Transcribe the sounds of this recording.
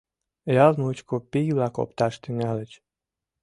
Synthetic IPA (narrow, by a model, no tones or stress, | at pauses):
jɑlmut͡ɕkopijβlɑko̰p̚t̪ɑʃt̪yŋɑlət͡ɕ